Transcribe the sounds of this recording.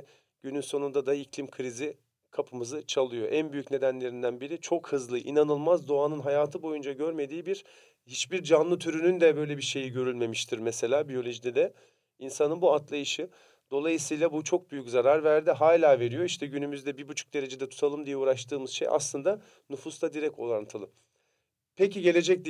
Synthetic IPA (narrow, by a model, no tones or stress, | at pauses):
ɟ̥ynynso̞nund̪ad̪aiclʲimkʰɯɾizi | kʰapʰɯmɯzɯt͡ʃʰalˠɯjo̞̰ʔænbyjycʲne̞d̪ænlʲe̞ɾind̪ænbiɾit͡ʃʰo̞khɯzlˠɯʔinanɯlˠmazd̪o̞anɯnɦajaːt̪ʰɯbo̞jund͡ʒaɟø̞ɾme̞d̪iːbiɾ | hit͡ʃbiɾd͡ʒanlˠɯt̪ʰyɾynynd̪ɛbø̞jlʲebiɾʃe̞jiɟø̞ɾylʲme̞miʃt̪ʰiɾmese̞lʲaːbijo̞lʲo̞ʒid̪ɛd̪ɛ | insanɯnbuat̪lˠajɯʃɯ | d̪̥o̞lˠajɯsɯjlˠabut͡ʃʰo̞k̚byjyczaɾaɾvæɾd̪iɦaːlʲaːve̞ɾijo̞iʃt̪ʰɛɟynymyzd̪ɛbibut͡ʃʰu̥k̚d̪e̞ɾe̞d͡ʒed̪ɛt̪ʰu̥t̪ʰalˠɯmd̪ijɛuːɾaʃt̪ɯːmɯz̥ʃḛja̰slˠɯnd̪a | nufust̪ʰad̪iɾɛc̚o̞̰lˠant̪ʰɯlˠɯm | pʰeciɟe̞lʲe̞d͡ʒɛc̚d̪